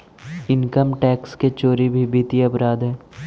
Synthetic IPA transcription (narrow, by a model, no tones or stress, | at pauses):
ɪnkəmʈɛːksket͡ʃoːɾibʱibiːt̪iɐpɾaːd̪ɦɛː